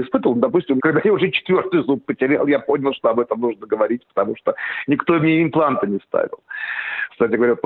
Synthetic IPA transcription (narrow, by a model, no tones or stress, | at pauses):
ɪspɨt̪əvəlˠnd̪ɐp̬usʲtʲɪmkɐɡ̚d̪ajaʊʐɛt͡ɕɪ̥t̪vʲo̞rt̪ɨjʊzup̚ːətʲɪɾʲḛlˠjapo̞nʲɪlˠʂt̪o̞ɐbɛt̪əmnuʐnəɡəvɐɾʲit̚ʲpə̥t̪ɐmuʂt̪onʲɪkt̪o̞mnʲeɪmplˠant̪ənʲɪst̪a̰vʲɪ̰lˠkst̪atʲɪɡəvɐɾʲa